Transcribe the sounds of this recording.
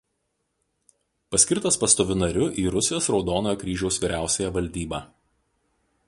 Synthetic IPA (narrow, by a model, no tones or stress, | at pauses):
pɐsʲkʲɪɾt̪ɐspɐst̪oːʋʲʊnɐɾʲʊʔiːɾʊsʲɪjoːsɾɒʊd̪oːnoːjoːkɾʲiːʒʲɛʊsʋʲiːɾʲʔæˑʊsʲɛjɛʋɐlʲd̪ʲiːbɑː